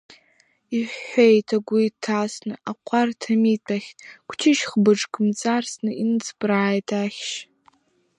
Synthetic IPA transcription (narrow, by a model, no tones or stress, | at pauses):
iħʷejtʰaɡʷʊitʰːasnɨʔaqʷʰartʰamitʰaχʲkʷʰt͡ʃʰɪʃχbɨʈ͡ʂkʼɨmt͡sʼarsnɨinɨt͡sʰbraːjtʰaχʲʃ